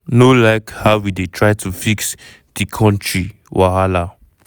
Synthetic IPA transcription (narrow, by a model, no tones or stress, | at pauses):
nolaɪkhaʊwidetʰɹaɪtʰufiks | d̥ikʰɔ̃ntʰɹi | wʔahala